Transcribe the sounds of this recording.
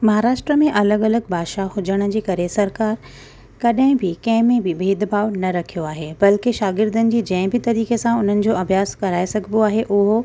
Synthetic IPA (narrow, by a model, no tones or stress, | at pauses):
mɐɦaːɾaːʃʈɾəmẽʔɐləɡɐləɡbaːʃahʊd͡ʑəɽ̃ə̆d͡ʑiːkɐɾesɐɾkaːɾ | kɐɗɦɪ̃bɪkɐ̃ɦɪ̃mẽbɪbʱeːd̪bʱaːʋnɐɾɐkʰijoaːɦebɐlkɪʃaːɡɪɾd̪ənɪ̆d͡ʑiːd͡ʑɐ̃ɦɪ̃bɪt̪ɐɾiːkesãʊn̤ənɪ̆d͡ʑoːɐbʱjaːskɐɾaːesɐɡʱɪboaːɦeʔʊɦo